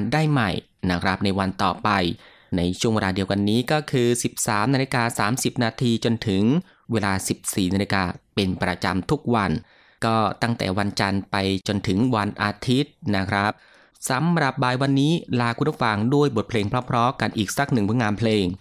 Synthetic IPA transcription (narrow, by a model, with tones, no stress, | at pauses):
ndaː˥˩jma˨˩j | na˦˥kʰɾa˦˥p̚na˧jwa˧nt̪ɔ̰ː˨˩pa˧j | na˧jt͡ɕʰu˥˩əweː˧laː˧di˧əwka˧nːiː˦˥kɔː˥˩kʰɯː˧si˨˩p̚saː˩˦mnaː˧li˧kaː˧saː˩˦msi˨˩p̚naː˧t̪ʰiː˧t͡ɕo˧nt̪ʰɯ˨˩˦ŋ | weː˧laː˧si˨˩p̚siː˨˩naː˧li˧kaː˧pe˧npɾa̰˧t͡ɕa̰˧mt̪ʰu˦˥k̚wa˧n | kɔː˥˩t̪a˥˩ŋt̪ɛ̰ː˨˩wa˧nt͡ɕa˧npa˧jt͡ɕo˧nt̪ʰɯ˩˦ŋwa˧nʔaː˧t̪ʰi˦˥t̪̚na˦˥kʰɾa˦˥p̚ | sa˨˩˦mɾa˨˩p̚baː˧jwa˧nːiː˦˥laː˧kʰu˧ntːu˦˥˩fa˧˩ŋdu˥˩əjbo˨˩t̪̚pʰleː˧ŋpʰɾɔ˦˥pʰɾɔː˦˥ka˧nʔiː˨˩k̚sa˨˩k̚nɯ˨˩ŋpʰɯ˦˥˦ŋaː˧npʰleː˧ŋ